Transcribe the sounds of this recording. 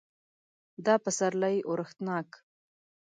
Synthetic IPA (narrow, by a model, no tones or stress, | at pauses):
d̪ɑpəsaɾlajʔoɾəxt̪nɑk